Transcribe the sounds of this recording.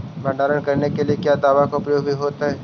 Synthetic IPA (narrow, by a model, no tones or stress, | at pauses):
mɐ̃ːɖaːɾənkɐɾnekeliekjaːd̪aːʋakaʊpɾəjoːɡbʱiɦoːt̪aɦɛː